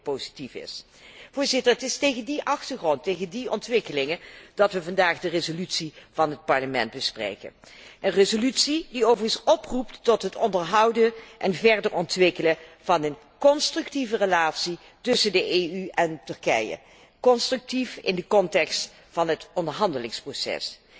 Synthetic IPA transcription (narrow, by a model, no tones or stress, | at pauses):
powzitifɪ̰s | v̥ʊːɹzɪtəɹətɪstejɣəndiʔɑxtəɹχrɔntejɣəndiʔɔntʋɪkəlɪŋəd̥ɑtʋəvɑndaːχdərezolytsiv̥ɑnɦət̚pɑɹləmɛnd̚bəsprḛjkə̰n | ʔənrezolytsidiowvərənsɔpruptːɔtɦətɔndəɹɦɑwdənʔɛnvɛɹdəɹɔntʋɪkələvɑnən | kɔnstrʏktivərəlaːtsi | tɵsəndəʔeːyɛntɵɹkɛ̰jə̰ | kɔnstrʏk̚tifɪ̰ndəkɔntɛkst | fɑnɦətɔndəɹɦɑndəlɪŋsprosɛ̰s